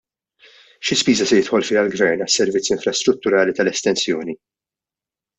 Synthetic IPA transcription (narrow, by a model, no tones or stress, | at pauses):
ʃɪspiːzɐsɛjɪt̪ħɔlfɪɐlɡvɛɾnɐsːɛɾvɪt͡sːɪɱfɾɐst̪ɾʊt̪ːʊɾɐːlit̪ɐlɛst̪ɛnsjɔːni